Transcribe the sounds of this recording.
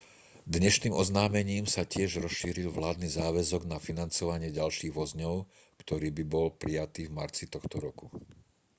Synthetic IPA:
d̪ɲɛʃniːmɔznaːmɛɲiːmsacɪɛʒɾɔsʃiːɾilʋlaːd̪nizaːʋɛzɔɡnafinant͡sɔʋaɲɪɛɟalʃiːɣʋɔzɲɔʊ | kt̪ɔɾiːbibɔlpɾijat̪iːvmaɾt͡sit̪ɔxt̪ɔɾɔku

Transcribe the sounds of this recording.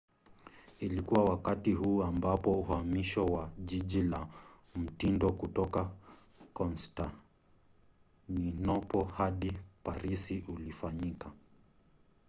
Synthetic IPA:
ilikuwawakatiɦuːambapɔuhamiʃɔwaʄiʄila | m̩tindɔkutɔka | kɔnsta | ninɔpɔhaɗipaɾisiʔulifaɲika

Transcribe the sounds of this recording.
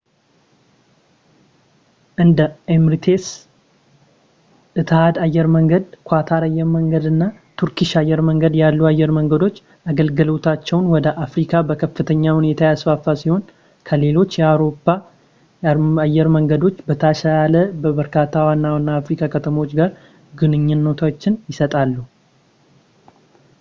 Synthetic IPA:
ʔɨnd̪əemɾt̪ʰe̞s | ʔɨt̪ʰhad̪ajːɛɾməŋɡəd̪kʰʷat̪ʰaɾajːɛɾməŋɡəd̪ɨnːat̪ʰuɾkiʃajːɛɾməŋɡəd̪jalːuajːɛɾməŋɡəd̪o̞t͡ʃː | aɡəlɡɨlo̞t̪ʰat͡ʃːɛwnwɔd̪əʔafɾikʰabəkʰəfːɨt̪ʰəɲːahune̞t̪ʰajasfafːasiho̞n | kʰəle̞lo̞t͡ʃːjɛawɾo̞pːa | ajːɛɾməŋɡəd̪o̞t͡ʃːbət̪ʰaʃajaləbəbəɾkʰat̪ʰːawanːawnːaːfɾikʰakʰət̪ʰəmot͡ʃːɡaɾ | ɡɨnɨɲːɪnːot̪ʰat͡ʃːɪnjɪsət̪ʼalːu

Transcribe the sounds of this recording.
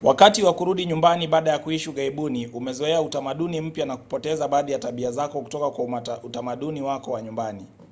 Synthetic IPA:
wakatiwakuɾuɗiɲumbaniɓaːɗajakuiʃuɠaiɓuniʔumɛzɔɛautamaɗunim̩pjanaku̥pɔtɛzaɓaːðijataɓiazakɔku̥tɔkakwautamaɗuniwakɔwaɲumbani

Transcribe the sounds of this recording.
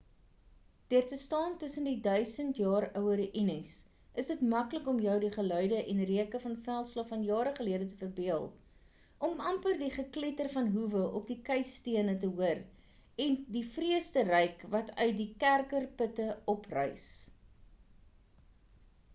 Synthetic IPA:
d̥iərtəstɑːntəsəndidœɥsəntjɑːɾœwəɾʔinəs | əsdətmɐkləkɔmjœwdiχəlœɥdəʔɛnriəkəfɐnfælˠslɑfɐnjɑːɾəχəliədətəfərbiəlˠ | ʔɔmɐmpərdiχəklɛtərfɐnɦuvəʔɔp̚dikɛjstiənətəɦuər | ɛndifriəstərɛjkvɐtœ̰ɥt̚dikærkərpətəɔprœ̰js

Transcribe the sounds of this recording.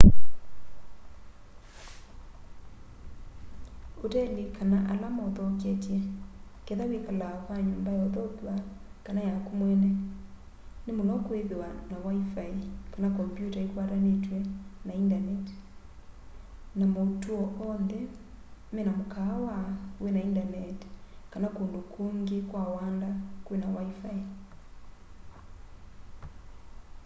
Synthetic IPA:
otɛlikʰanaʔalamɔðɔkɛtjɛ | keðawekalaɔkwaɲoːmbajɔðɔkwakanajakumwɛnɛ | nemolɔkoeðewanawaifaikanakɔmpjutaekwaɾanetwɛnaindanɛt | namoutuɔʔɔnðɛ | mɛnamokawawɛnaindanɛtkanakondokʰoŋɡekwawandakwenawaifai

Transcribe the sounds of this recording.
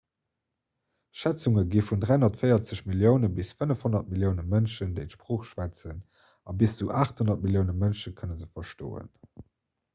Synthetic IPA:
ʃæt͡suŋəɡiːfundʁæɪhonɐtfɜɪɐt͡səɕmiljəʊnəbisfənəfhonɐt̚miljəʊnəmənʃəndeɪʃpʀoːχʃvæt͡sən | ɑbisz̥uʔaːχthonɐt̚miljəʊnəmənʃəkʰənəzəfɐʃto̰ːə̰n

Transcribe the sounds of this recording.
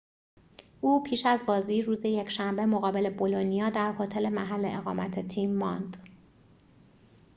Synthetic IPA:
ʔuːpʰiːʃæzbɒːziːɾuːzeje̞cʰʃæmbe̞mo̞ɣɒːbe̞le̞bo̞lo̞nijɒːd̪æɾho̞t̪ʰe̞le̞mæɦælːe̞ʔeɣɒ̰ːmæt̪ʰet̪ʰiːmːɒnd̪̥

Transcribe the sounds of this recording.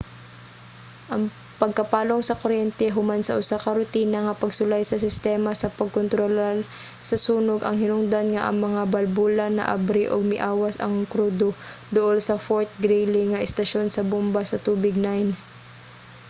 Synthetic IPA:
ʔɐŋ | pɐɡ̚kɐpaːloŋsɐkoɾjɛnt̪ɛɦʊmansɐʔʊsakɐɾʊt̪iːnɐŋɐpɐɡsʊlajsɐsɪst̪ɛːmasɐpɐɡ̚kont̪ɾolal | sɐsuːnoɡʔɐŋhɪnʊŋd̪anŋaʔɐ̰ŋmɐŋabɐlbuːlanːɐ̰ʔa̰bɾɪʔoɡ̚mɪʔaːwasɐ̰ŋkɾuːd̪od̪ʊʔolsɐfoɹt̪̚ɡɾɛlɪŋɐʔɛst̪ɐʃonsɐbʊmbasɐt̪uːbɪɡ̚najn

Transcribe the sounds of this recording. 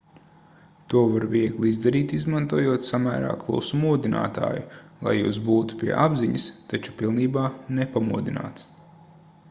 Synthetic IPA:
t̪uɔvaɾviɛɡlˠizd̪aɾiːt̪izmant̪uɔjuɔt̪samæ̰ːɾa̰ːklˠṵːsumuɔd̪ina̰ːt̪a̰ːjulˠa̰jːṵːsbuːt̪u̥pʲiɛ̰ʔabziɲɐst̪at͡ʃu̥pilˠniːbaːnepamuɔd̪ina̰ːt̪s

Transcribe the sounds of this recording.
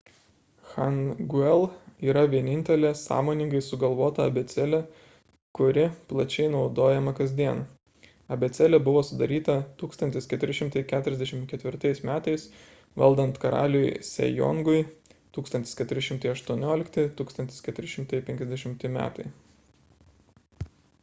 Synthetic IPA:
xɐnɡʊɛlˠiːɾɐʋʲiɛnʲɪnʲt̪ʲɛlʲeːsɑ̰ːmoːnʲɪŋɡɐɪsʊɡɐlˠʋoːt̪ɐɐ̰bʲɛt̪sʲɛlʲɛ | kʊɾʲɪplˠɐt͡ʃʲɛɪnɒʊd̪oːjɛmɐkɐzʲd̪ʲiɛn | ɐbʲɛt̪sʲɛlʲɛbʊʋoːsʊd̪ɐɾʲiːt̪ɐt̪uːkst̪ɐnt̪ʲɪskʲɛt̪ʊɾʲɪʃʲɪmt̪ɐɪkʲæːt̪ʊɾʲɛzd̪ʲɛʃʲɪmkʲɛt̪ʲʋʲɪɾt̪ɐɪsmʲæːt̪ɐɪs | ʋɐlˠd̪ɐnt̪kɐɾɑ̰ːlʲjsʲɛ̰jɔ̰ŋɡʊɪt̪uːkst̪ɐnʲt̪ʲɪ̥skʲɛt̪ʊɾʲɪʃʲɪmt̪ɐɪɐʃt̪uɔnʲoːlʲɪkt̪ʲɪt̪uːkst̪ɐnt̪ʲɪ̥skʲɛt̪ʊɾʲɪʃʲɪmt̪ɐɪpʲɛ̃ŋʲkʲɛzʲd̪ʲɛʃʲɪmt̪ʲɪmʲæ̰ːt̪ɐɪ

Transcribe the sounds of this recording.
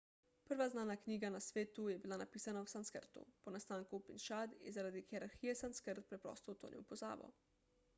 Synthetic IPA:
pəɾʋaznaːnakniːɡanasʋeːt̪ujɛbilanapiːsanawsanskəɾt̪ṵpɔnast̪aːŋkupinʃad̪jɛ̰zaɾaːd̪ixɛɾaɾxiːjɛsanskəɾt̪̚pɾɛpɾɔ̰st̪ɔt̪o̰ːnʔḭwpɔza̰ːbɔ̰

